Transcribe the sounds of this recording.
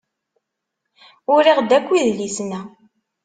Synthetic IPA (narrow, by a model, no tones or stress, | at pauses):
ʊɾiʁd̪ækʷːiðlisnæ